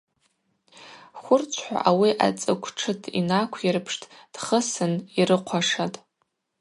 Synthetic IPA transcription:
χʷʊrt͡sʷʰħʷa̰ʔawiʔa̰t͡sʼɨkʷʰʈ͡ʂʰɨtʰḭnakʷʰjɪɾpʰʂtʰd̥χəsɨniɾɨqʷʰaʂatʼ

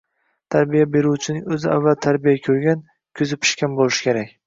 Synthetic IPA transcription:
t̪ʰaɾbijabe̞ɾuwt͡ʃʰɪnɪŋɵzɪa̰vːalt̪ʰaɾbijakʲʰɵɾɡʲan | kʲʰʊzɪpʰɪ̥ʃkʲanbolˠɪʃɪ̥kʲʰe̞ɾakʲ

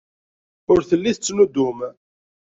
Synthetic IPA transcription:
ʊɾθəlːiθət͡sːnud̪ʊm

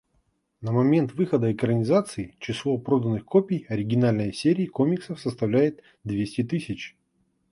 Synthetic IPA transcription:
nəmɐmʲe̞nt̪vɨxəd̪əɪkɾənʲɪzat̪sɨɪt͡ɕɪslˠo̞pɾo̞d̪ənːɨxkopʲɪjɐɾʲɪɡʲɪnalʲnəjsʲeɾʲɪːko̞mʲɪksəfsəst̪ɐvlʲæjɪt̪ | d̪vʲesʲtʲɪt̪ɨsʲɪt͡ɕ

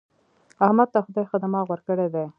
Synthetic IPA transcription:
ahmad̪̚t̪axʊd̪ɑjxad̪amɑwəɾkəɽed̪e

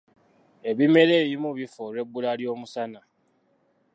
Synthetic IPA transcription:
eβimeɾeβimuβifoɾebulaljomusana

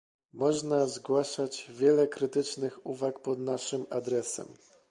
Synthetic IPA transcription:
mɔʐnazɡwaʂad͡ʑvʲjɛlɛkɾɘt̪ɘt͡ʂnɘxuvakpɔd̪naʂɘmad̪ɾɛsɛ̰m

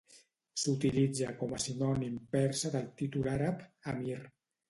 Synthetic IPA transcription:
sut̪ilid͡zakɔmasinɔnimpɛɾsaðəlˠt̪it̪ulaɾapamiɾ

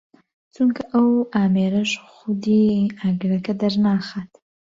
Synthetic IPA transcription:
t͡suŋkaʔawaːmeɾaʃxʊd̪iaɡɾɐkad̪aɾnaːxat̪

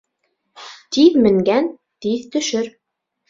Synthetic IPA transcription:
t̪iðmɘ̆ŋɡæn | t̪iðt̪ɵ̆ʃɵɾ

